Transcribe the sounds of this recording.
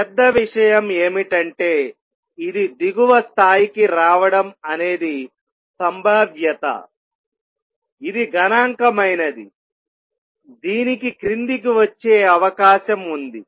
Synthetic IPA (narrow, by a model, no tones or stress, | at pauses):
pɛd̪ːɐʋiʂɐjɐmeːmiʈɐɳʈe̞ː | id̪id̪iɡuʋɐst̪ʰaːjikiɾaːʋɐɽɐmɐne̞ːd̪i | sɐmbʱaːbjɐt̪ɐ̰ | id̪iɡʱɐnaːŋkɐmɐjnɐd̪i | d̪iːnikikɾind̪ik̬iʋɐt͡ʃːeːɐʋɐkaːʃɐmund̪i